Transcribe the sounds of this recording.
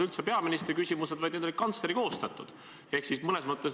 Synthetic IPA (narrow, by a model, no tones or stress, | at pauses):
ylt̪sepe̞ɑminist̪ɾikysʲimuse̞d̪̥vɑjd̪ned̪oli̥kɑnt̪sleɾiko̞ːst̪ɑt̪ːˑud̪̥ | e̞hksismɤne̞smɤt̪ːˑes